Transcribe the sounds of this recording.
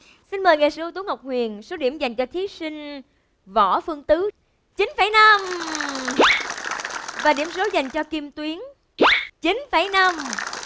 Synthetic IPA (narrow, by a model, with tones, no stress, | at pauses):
si˧nməː˨˩jŋa˨˩sɨ̰˧˨˧t̪u˨˦ŋə˨˩wk͡p̚hwi˨˩ənso˨˦ɗi˧˩əmza˨˩jŋ̟t͡ɕɔ˧t̪ʰi˨˦si˧ŋ̟ | vɔ˧˩fɨ˧əŋt̪ɨ˨˦ | t͡ɕi˨˦nfaː˧˩jna˧m | vaː˨˩ɗi˧˩əmso˨˦za˨˩jŋ̟t͡ɕɔ˧ki˧mt̪wi˨˦əŋ | t͡ɕi˨˦nfaː˧˩jna˧m